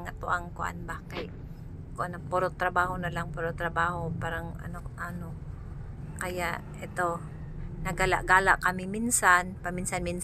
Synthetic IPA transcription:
ŋɐt̪̚oʔɐŋkoʔa̰nbakɐj | koʔɐnopoɾot̪ɾɐbaːhonɐlaŋpoɾot̪ɾɐbaːho̞paːɾɐŋʔɐ̰noʔano | kɐjaʔʔɛt̪o̞ | nɐɡala̰ʔɡaːla̰ʔkɐmɪminsanpɐminsanmin

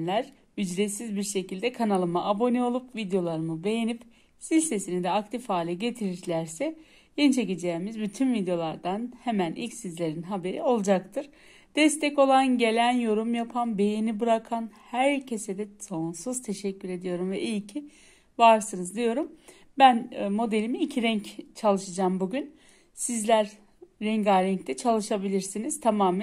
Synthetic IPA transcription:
nlʲæɾ̥ | yd͡ʒɾet̪sizbiɾʃe̞cilʲd̪ɛkʰanalˠɯmaʔabo̞niolˠupvid̪jo̞lˠaɾɯmɯbe̞jenip | silʲse̞sinid̪ɛakt̪ʰifhaːlʲɛɟe̞t̪ʰiɾiɾlʲæɾsɛ | jent͡ʃʰe̞cid͡ʒeːmizbyt̪ʰynvid̪ejo̞lˠaɾd̪anhemænʔḭlʲcsizlʲe̞ɾinɦabe̞ɾḭo̞lˠd͡ʒakt̪ʰɯɾ̥ | d̪̥ɛst̪ʰɛco̞lˠanɟe̞lʲænjo̞ɾumjapʰanbe̞jinibɯɾakʰanhæɾcʰe̞sed̪ɛso̞nsuz̥t̪ʰe̞ʃɛcːyɾe̞d̪ijo̞ɾumvɛʔijcʰi | vaɾsɯnɯzd̪ijo̞ɾum | bænmo̞d̪e̞lʲimiicʰiɾɛɲct͡ʃʰalˠɯʃɯd͡ʒaːmbuɟyn | sizlʲæɾː | ɛɲɡaɾɛɲct̪ʰɛt͡ʃʰalˠɯʃabilʲiɾsiniz̥t̪ʰamaːmæ

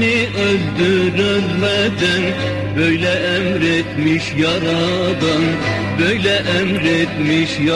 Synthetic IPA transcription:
nɪʔøld̪yɾylmæd̪æn | bøjlɛʔɛmɾet̪miʃjɑɾɑd̪ɯn | bøjlɛʔæmɾet̪miʃjɑ

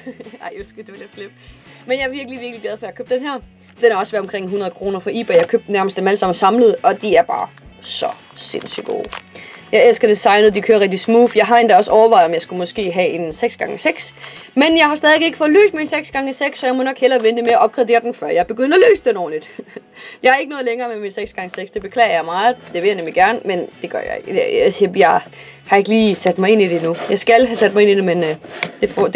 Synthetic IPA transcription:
ɑ̰ɪjosɡ̥ud̥eʋelæfleb̥menjɑ̈æɐʋiɐɡ̥liʋiɐɡ̥liɡ̥læð̞ˠfɒ̽jɑɐkʰø̰b̥̚d̥enhɛɐ̰ | d̥enhɑ̈ɒ̽səʋæɐ̥ɒmkʁeŋ̰ɦunɐðˠəkʰʁo̝ːnɐfɒ̽ḭːb̥ɐjɑhɑkʰøːb̥̚d̥næɐməsd̥emæləsɑ̈m̰n̩sɑ̈mləð̞̩ˠɒ̽d̥iæɐb̥ɑ̈ːsɒ̽ | sḛn̰syɡ̥o̝̰ːjɑ̈ɪelsɡ̥ɐd̥esɑ̈ɪnð̞̩ˠd̥ikʰøːɐʁɛɡ̥̚d̥ismṵːfjɑ̈ɪɦɑ̈e̝nd̥æɒ̽səɒʊɐʋɑ̈ɪɒ̽mjɑ̈ɪsɡ̥umɒ̽sɡ̥e̝̰ːɦɛe̝nseɡ̥sɡ̥ɑ̈ŋəseɡ̥smenjɑ̈ɪhɑ̈sd̥ɛðˠʋe̝ɡe̝ɡ̥əfɒ̽ðˠlø̰ːsd̥minseɡ̥sɡ̥ɑ̈ŋəseɡ̥sːɒ̽jɑɪmɒ̽nɒ̽ɡ̥hel̰ɐʋend̥emeɐɐʔɒ̽b̥̚ɡ̥ʰʁɛd̥e̝̰ːɐd̥enfɶɐ̰jɑ̈ɪb̥e̝ɡ̥øn̰d̥ɐlø̰ːsəd̥enɒ̰ːlid̥jɑ̈ɪhɑ̈e̝ɡ̥ənɔ̽ːðˠleŋɐːmeminseɡ̥sɡ̥ɑ̈ŋəseɡ̥sd̥e̝b̥e̝kʰlɛ̰ːɐjɑ̈ɪmɑ̈ːð̩ˠd̥e̝ʋe̝jɑnemliɡ̥æɐnmend̥e̝ɡ̥ɶɐ̰jɑ̰eɡ̥sijɑ̈ɪ | hɑ̈e̝ɡ̥əliːsæd̥mɑ̈ɪe̝nid̥enujɑ̈ɪsɡ̥ælɦæsæd̥̚mɑ̈ɪe̝nid̥e̝mend̥e̝fɒ

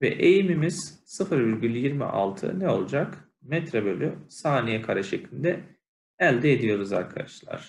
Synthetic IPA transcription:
vɛ̰ʔejimimiz̥sɯfɯɾbiɾɟʲylʲjiɾmḭʔa̰lˠt̪ʰɯ̰nɛo̞lˠud͡ʒak | mɛt̪ɾɛbø̞lʲysaːnijɛkʰaɾaʃeclʲind̪ɛ | ælʲd̪ɛed̪ijo̞ɾuza̰ɾkʰad̪aʃlˠa̰ɾ̥

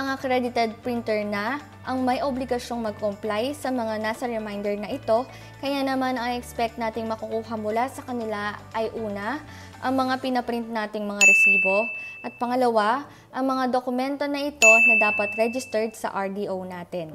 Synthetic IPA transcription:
ʔɐŋɐkɾɛd̪ɪt̪ɛd̪̚pɾint̪ɛɹnɐ | ʔɐŋmɐjʔoblɪɡɐsʃo̞ŋmɐɡ̚komplajsɐmɐŋanaːsɐɹɛmajnd̪ɛɹnɐʔɪt̪o̞ | kɐjanɐmanɐŋʔɛkspɛk̚t̪̚naːt̪ɪŋmɐkukuːɦɐŋmʊlasɐkɐnɪlaʔɐjʔuːnɐ | ʔɐŋmɐŋapɪnɐpɾɪnt̪̚naːt̪ɪŋmɐŋaɾɛsiːbo̞ʔɐt̪̚pɐŋɐlɐwa | ʔɐŋmɐŋad̪o̞kʊmɛnt̪o̞nɐʔɪt̪o̞nɐd̪aːpɐt̪ɾɛd͡ʒɪst̪ɛɹd̪sɐ̰ʔɐɹd̪iʔownaːt̪ɪn

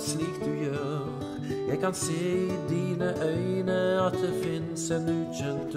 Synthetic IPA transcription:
sliːkd̪ʉjøːɾ | jæɪkɑnseːd̪iːnəʔœʏnəɑt̪̚d̪ɛfɪnsɛnʉːçœnt̪

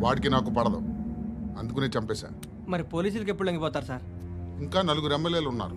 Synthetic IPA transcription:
ʋaːʈikinaːkupɐɽɐd̪o̰ | ɐnd̪uk̬uneːt͡ʃɐmpɛːsa̰ːɾ | mɐɾipoːliːs̬ulukepːuɽuleŋɡip̬ɔːt̪aːɾusaːɾ | iŋkaːnɐluɡuɾɛmːeljeːlunːa̰ːɾu

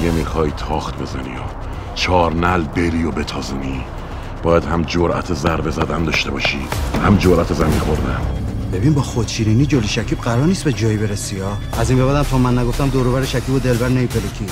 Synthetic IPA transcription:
jemixɒːjt̪ʰɒːxt̪̚be̞zænḭjo | t͡ʃʰɒːɾnælbeɾiːjobet̪ʰɒːzuni | b̥ɒːjæd̪hæmd͡ʒoɾæ̰t̪ʰezæɾbe̞zæd̪ænd̪ɒʃt̪e̞bɒːʃḭːhæmd͡ʒoɾʔæt̪ʰezæminxo̞ɾd̪ænbe̞binbɒːxot̪ʃʰiːɾiniːd͡ʒoliʃækʰiːb̚ɢæɾɒːɾniːst̪bed͡ʒɒːjibe̞ɾesiɒː | æziːmbeβæd̪æmt̪ʰɒːmænːæɡo̞ft̪æmd̪oːɾoβæɾeʃækʰiːbod̪e̞lbæɾnemipʰelekʰiː

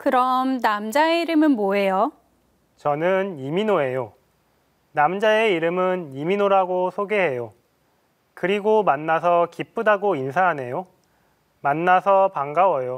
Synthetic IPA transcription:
kɯɾʌmnamd͡ʑaeiɾɯmɯnmoɦe̞jo | t͡ɕʌnɯniminoe̞jo | namd͡ʑae̞iɾɯmɯniminoɾaɡosʰoɡeɦe̞jo | kɯɾiɡomanːas̬ʰʌkip͈ʰudaɡoinsʰaɦane̞jo | manːasʰʌpaŋɡawʌjo

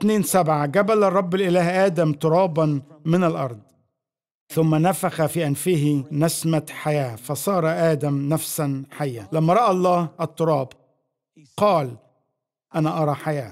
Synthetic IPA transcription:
ɪt̪neːnsabʕaɡabalɑrˤːɑbːɪlʔɪlæːhʔaːd̪amt̪ʊɾˤɑːbɑnmɪnalʔɑɾˤd̪ˤ | θʊmːanafaxafiːʔanfiːhɪnasmaħajaːfɑsˤɑːɾˤɑʔaːd̪amnafsanħajːalamːaɾˤɑʔaɑlˤːɑːhʔɑt̪ˤːʊɾˤɑːb | qɑːl | ʔanaʔɑɾˤɑːħajaː

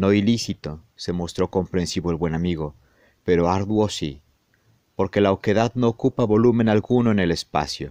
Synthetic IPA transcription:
no̞ilisit̪o̞ | se̞mo̞st̪ɾo̞ko̞mpɾe̞nsiβoelβwe̞namiɣ̞o̞ | pe̞ɾoaɾðwosi | po̞ɾke̞laoke̞ðaðno̞ːkupaβo̞lumẽnalɣunoene̞lespa̰sjo

